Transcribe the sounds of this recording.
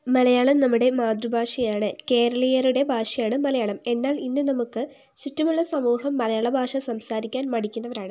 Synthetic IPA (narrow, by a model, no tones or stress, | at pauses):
mɐlɐjaːɭɐmnɐmːuɽe̞maːd̪ɾubʱaːʂɐjaːɳɨke̞ːɾɐɭɐjɐɾuɽe̞bʱaːʂɐjaːɳɨmɐlɐjaːɭɐme̞nːaːlinːɨnɐmukːɨ | sitːɐmuɭːɐsɐmuːɦɐmːɐlɐjaːɭɐbʱaːʂɐsɐmsaːɾikʲːaːnmɐɽikʲːunːɐʋɐɾaːɳɨ